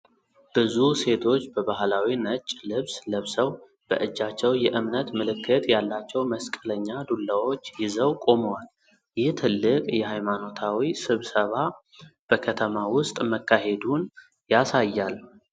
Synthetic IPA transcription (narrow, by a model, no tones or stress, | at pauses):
b̥ɨzuse̞t̪ʰo̞t͡ʃːbəbaɦlawinət͡ʃʼlɨβsləβsəw | b̥ə̰ʔɨd͡ʒːat͡ʃːɛwjɛʔɨmnət̪mɨlɨkːɨt̪jalːat͡ʃːɛwməskʼələɲːad̪ulːawo̞t͡ʃːjɪzəwkʼo̞mowal | jɪht̪ʰɨlːɨkʼjɛɦajmano̞t̪ʰawisɨβsəβa | b̥əkʰət̪ʰəmawʊst̪ʼməkːahe̞d̪un | jasajːal